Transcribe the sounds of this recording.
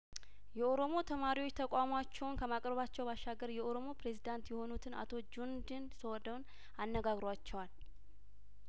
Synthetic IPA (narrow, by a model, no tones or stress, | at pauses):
jɛo̞ɾo̞mo̞t̪ʰəmaɾiwo̞t͡ʃːt̪ʰəkʼamat͡ʃːɛwnkʰəmakʼɾəβat͡ʃːɛwbaʃːaɡəɾjɛʔo̞ɾo̞mo̞pɾe̞zid̪ant̪jɛho̞nut̪ʰɨna̰t̪ʰo̞d͡ʒund̪ɨnsəwɔd̪əwn | anːəɡaɡɾwat͡ʃːɛwal